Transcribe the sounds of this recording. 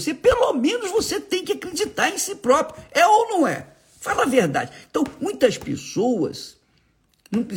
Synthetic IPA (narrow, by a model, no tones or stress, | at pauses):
sepelomẽnʊzvoset̪ẽj̃kɪakɾed͡ʒit̪aɾẽj̃sipɾɔpɾjʊɛownɐ̃w̃ɛ̰ | falɐveɾd̪a̰d͡ʒɪẽt̪ɐ̃w̃mũj̃t̪ɐspḛsowɐ̰s | nɐ̃w̃pɾi